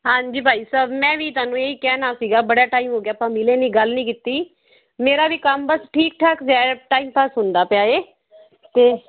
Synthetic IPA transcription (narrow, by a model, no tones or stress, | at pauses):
ɦãːɲd͡ʒiːbʱaːiːsəːbmɛ̃ːʋiːt̪ʊaːnũːeːiːkɛːnãːsiːɡaːbəɽaːʈaːimɦoːɡjaːpãːmɪleːnĩːɡəlnĩːkɪt̪iː | meːɾaːʋiːkəmbəsʈʰiːk̚ʈʰaːkd͡ʒɛːʈaːimpaːsɦʊnd̪aːpɪjaːeː | t̪eː